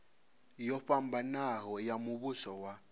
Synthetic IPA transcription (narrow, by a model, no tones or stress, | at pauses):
jɔɸam̩banahɔjamʊβʊsɔwa